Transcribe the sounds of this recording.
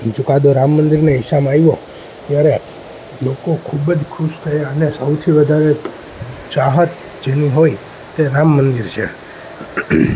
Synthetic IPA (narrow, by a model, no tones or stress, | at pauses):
t͡ʃʊkad̪oɾamːənd̪iɾneɦɪsamajʋo | t̪jaɾe | lokokʰubəd͡ʒkʰuʃt̪ʰəjaənesəwt̪ʰiʋəd̪ʱaɾe | t͡ʃaɦət̪ | d͡ʒeniɦoj | t̪eɾamːənd̪iɾt͡ʃʰḛ